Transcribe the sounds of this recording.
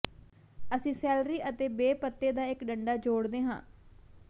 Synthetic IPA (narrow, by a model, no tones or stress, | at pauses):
əsĩːsɛːlɾiːʔət̪eːbeːpət̪ːeːd̪aːɪkɖəɳɖaːd͡ʒoːɽd̪eːɦã̰ː